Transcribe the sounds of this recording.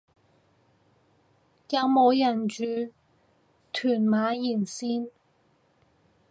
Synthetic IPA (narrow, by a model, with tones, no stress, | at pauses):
jɐ˨˧wmo˨˧wjɐ˨˩nt͡ʃyː˨˧ | t̪ʰyː˨˩nmaː˨˥jiː˨˩nsiː˥n